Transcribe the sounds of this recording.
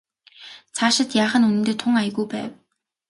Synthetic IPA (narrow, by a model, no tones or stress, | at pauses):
t͡sʰaʃɪ̆t̪jaːχə̆nunɘ̆nt̪eːt̪ʰʊŋaj̆ɣujpæ̰ːw